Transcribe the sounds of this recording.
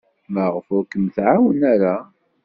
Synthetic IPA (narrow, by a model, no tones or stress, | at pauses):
məʁəfʊkəmθʕawənæɾa